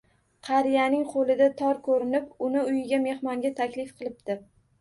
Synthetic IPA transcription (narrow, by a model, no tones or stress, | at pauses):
qʰɑɾɪjanɪŋqʰolɪd̪at̪ʰɒɾkʰɵɾɪnɪpʊnɪʊjɪɡʲame̞hmɒŋɡʲat̪ʰakʲlɪfqʰɨlˠɪp̚d̪̥ɪ